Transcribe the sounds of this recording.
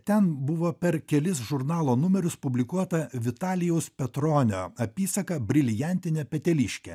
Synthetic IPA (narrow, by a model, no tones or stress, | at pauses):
t̪ʲɛnbʊʋoːpʲɛɾkʲɛlʲɪsʒʊɾnɑːlˠoːnʊmʲɛɾʲʊspʊbʲlʲɪkuɔt̪ɐʋʲɪt̪ɑːlʲɪjɛʊspʲɛt̪ɾoːnʲo̰ːɐpʲiːsɐkɐbʲɾʲɪlʲjænʲt̪ʲɪnʲɛpʲɛt̪ʲɛlʲɪʃʲkʲɛ̰